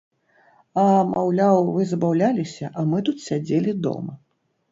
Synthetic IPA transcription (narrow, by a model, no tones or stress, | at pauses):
ɐmawlʲawvɨzɐbawlʲalʲisʲɐʔɐmɨt̪ut̪sʲad͡zʲelʲid̪ɔ̰mɐ